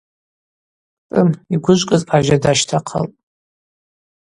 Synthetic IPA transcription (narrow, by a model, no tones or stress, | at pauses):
tʼɨmiɡʷʊʒʷkʼɨzpʰʼaʒadaʃtʰaqʰə̰lpʼ